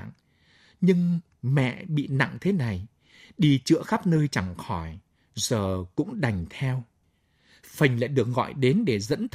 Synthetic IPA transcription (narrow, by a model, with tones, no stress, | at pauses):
ŋ | ɲɨ˧ŋ | mɛ̰˧˨ɓḭ˧˨na̰˧˨ŋt̪ʰe˨˦na˨˩j | ɗi˧t͡ɕɨ̰˧˨əxa˦˥p̚nəː˧jt͡ɕa˧˩ŋxɔ˧˩j | zəː˨˩kʊ̰˧˥ŋ͡mɗa˨˩jŋ̟t̪ʰɛ˧w | fə˨˩ŋ̟la̰ː˧˨jɗɨ˨˩ək̚ɣɔ̰˧˨jɗe˨˦nɗe˧˩zə̰˧˥nt̪ʰ